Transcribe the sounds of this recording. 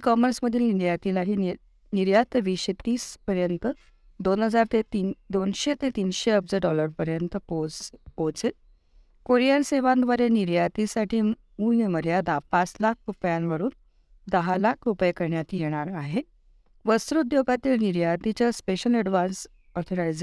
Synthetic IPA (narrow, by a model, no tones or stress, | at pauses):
kɔməɾsməd̪ʱːjeiɾjat̪ilaʈi | niɾjat̪əʋiːɕet̪iːspəɾjənt̪ə | d̪onɦəd͡zaɾt̪et̪id̪onɕet̪et̪iːnɕeəb̚d͡zəɖɔləɾpəɾjənt̪əpopot͡se | koɾijanseʋãnd̪ʋəɾeniɾjat̪isaʈʰiː | muiməɾjad̪apat͡slakʰɾupjanʋəɾuːn | d̪əɦalakʰɾupjekəɾɳjat̪ijeɽ̃aɾaɦe | ʋəsɾud̪joɡat̪iːlniɾjat̪it͡ɕaspeɕəlɛɖʋans | ɔɾt̪ʰoɾajd͡z